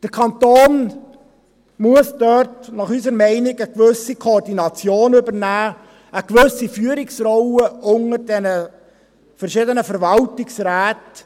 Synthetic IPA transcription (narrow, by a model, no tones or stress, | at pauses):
d̥əɾkʰɑntoːn | muəsd̥œɾtnɑχysəɾmɛɪnɪɡəkvʏsikʰoːrdinɑt͡sjoːnʏbəɾnæː | əkʋɵsifyːəɾɪksrɔʊəʔʊŋəɾdɛnə | fəɾʃɪdənəfəɾvɑltɪksɾæːt